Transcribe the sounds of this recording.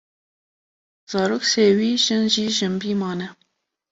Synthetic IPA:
z̥ɑːɾoːkseːwiːʒɨnʒiːʒɨmbiːmɑːnɛ

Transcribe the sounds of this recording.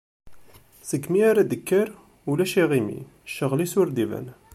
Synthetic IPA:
səkːmiaɾæd̪əkːəɾ | ulæʃiʁimḭ | ʃːəʁlisʊɾd̪ivæ̰n

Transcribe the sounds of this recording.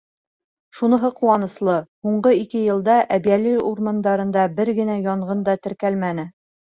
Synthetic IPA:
ʃunɤ̆ɦɤquwɑnɤ̆slˠɤhuɴɢɤikɘjɤ̆lˠd̪ɑʔæbijæliɾuɾmɑnd̪ɑɾɤ̆nd̪ɑbɘɾɡɘ̆næjɒɴʁɤnd̪ɑt̪ɘ̆ɾkælmænɘ

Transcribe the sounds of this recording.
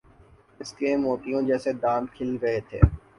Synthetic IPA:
ɪskemoːt̪ijõd͡ʒɛːsed̪ãːnd̪kʰɪlɾɐɦet̪ʰḛː

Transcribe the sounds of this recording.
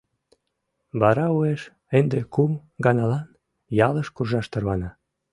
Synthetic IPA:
βɑɾɑueʃ | end̪ekumɡɑnɑlɑn | jɑləʃkurʒɑʃt̪ərβɑnɑ

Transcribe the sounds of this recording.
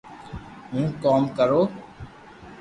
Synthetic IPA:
ɦũːkoːmkəɾoː

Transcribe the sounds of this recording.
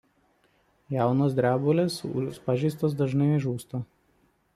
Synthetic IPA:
jæˑʊnoːs̬d̪ʲɾʲæːbolʲeːsʊ̰ʃpɑʒʲɛɪst̪oːsd̪ɐʒnɐɪʒuːst̪oː

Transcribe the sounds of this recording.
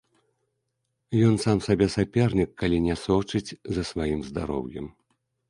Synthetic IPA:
jɔnsamsabʲɛsapʲɛrnʲikːalʲinʲɛsɔt͡ʂɨt͡sʲzɐsvajimzd̪a̰ɾɔ̰wjɛm

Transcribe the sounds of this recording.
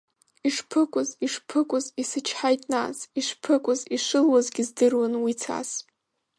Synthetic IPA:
iʂpʰɨkʷʼʊziʂpʰɨkʷʼʊzisɨt͡ʃʰħajtʼna̰ziʂʷpʰɨkʷʼʊziʂʷɨlwazɡʲɪzdɨrwanwit͡sʰa̰s

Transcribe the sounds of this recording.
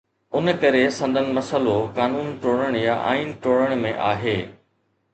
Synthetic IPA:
ʊnəkɐɾesɐ̃nd̪ʱənɪ̆mɐsəlokaːnuːnʈoːɽ̃əɽ̃jaʔa̰ːiːnʈoːɽəɽ̃mẽʔaːɦeː

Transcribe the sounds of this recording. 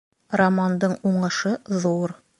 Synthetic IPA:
rɐmand̪ɤɴuɴɤ̆ʃɤðuɾ

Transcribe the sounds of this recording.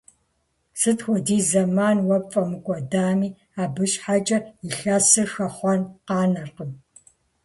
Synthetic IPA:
sɨtʰxʷɔdiːzɐmaːnwɐfʼɐmɨkʷʼɔdaːmiː | aːbɨɕʼħat͡ʃʼɐiɬasɨxɐχʷɔnqɑːnɐrqəm

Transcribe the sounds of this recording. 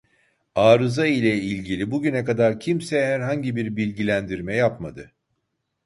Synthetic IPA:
aːɾɯzailʲɛilʲɟilʲibuɟynɛkad̪aɾcʰimsɛhæɾɦaɲɟibiɾbilʲɟilʲænd̪iɾmɛjapmad̪ɯ

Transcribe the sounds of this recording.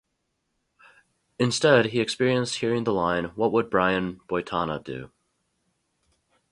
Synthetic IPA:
ɨ̃nstɛd̚iɨkspɪɹiɨ̃nst̚hiɹɪ̃ŋðəlãɪ̃nwʌt̚wəd̚bɹaɪɨ̃nb̥ɔɪtʰɑnə̰dʉ̰

